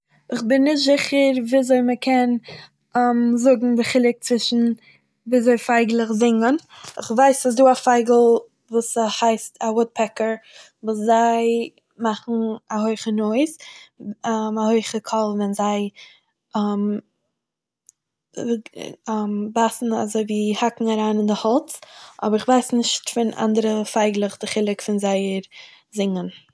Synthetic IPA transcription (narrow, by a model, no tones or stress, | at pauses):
ɪχbɪnːɪʃtzɪχəɾviːzoɪməkʰɛn | amzʊɡŋ̩bəχɪlˠɪk̚t͡svɪʃn̩ | viːzoɪfaɪɡlˠəχzɪŋənɪχvaɪsas̬duːafaɪɡl̩ˠ | vuːshaɪstʰawʊt̚pʰɛkəɾ | vuːszaɪ | maχn̩ahoɪχənoɪs | mahoɪχəkʰɔlˠvɛnzaɪ | am | ambasn̩a̰zoɪviːhakŋ̩aɾaːnɪndɪhɔlˠt͡sʔɔ̰bəɾɪχvaɪsnɪʃtfɪna̰ndəɾəfaɪɡlˠəχdɪχɪlˠɪkfɪnzaɪəɾ | zɪŋən